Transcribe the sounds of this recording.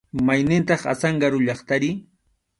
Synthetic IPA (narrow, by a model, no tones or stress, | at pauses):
majnɪnt̪ɑχa̰sɑɴɢɑɾʊʎɑχt̪aɾɪ